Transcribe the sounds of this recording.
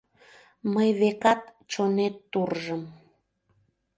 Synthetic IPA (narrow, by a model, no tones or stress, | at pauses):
məjβekɑt̪ | t͡ɕonet̪ːurʒəm